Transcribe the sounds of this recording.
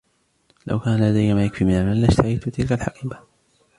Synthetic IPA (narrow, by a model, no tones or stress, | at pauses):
la̰wkaːnalad̪ajːamaːjakfimɪnalmanlaʃt̪ʰahajt̪ʊt̪ɪlkalħaqiːba